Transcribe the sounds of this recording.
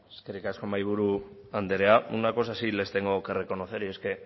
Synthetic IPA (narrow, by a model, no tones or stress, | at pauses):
eskerikasko̞majβ̞uɾu | and̪eɾe̞aunako̞sasile̞st̪e̞ŋɡo̞kere̞ko̞no̞θe̞ɾie̞ske̞